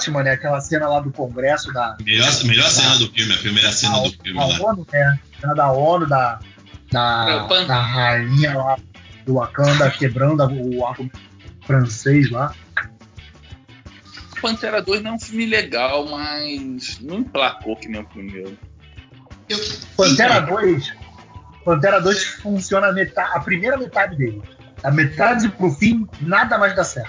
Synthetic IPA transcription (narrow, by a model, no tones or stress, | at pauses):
t͡ʃimɐ̃nɛakɛlɐsẽnɐlad̪ʊkõɡɾɛsʊd̪ɐmeʎɔɾmeʎɔɾsẽnɐd̪ʊfiwmɪɐpɾiimejɾɐsẽnɐd̪ʊfiwmlaonʊnɛ | ɐd̪ɐɔnʊd̪ɐ | d̪ɐɐ̃d̪ɐɦaĩɲɐlad̪ʊakɐ̃d̪akebɾɐ̃d̪ɐahku | fɾɐ̃sejʃla | pɐ̃nt̪ɛɾɐd̪ojʒnẽj̃ũfũmɪleɡawmasnẽw̃plakokɪnẽj̃ũfĩmɪmeɾʊ | ewpɐ̃t̪ɛɾɐd̪ojs | pɐ̃t̪̬ɛɾɐd̪ojʃfũsiõnɐmet̪aɐpɾimejɾɐmet̪ad͡ʒɪd̪elɪ | ɐmet̪ad͡ʒɪpɾʊfĩmɪnad̪ɐmajzd̪asɛɾt